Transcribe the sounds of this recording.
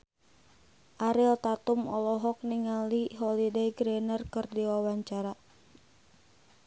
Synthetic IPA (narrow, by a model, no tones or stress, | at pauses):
ʔaɾɪlt̪at̪umɔ̰lɔɦɔk̚niŋaliɦɔlideiɡɾɛnərkɨrdiwawaɲt͡ʃaɾa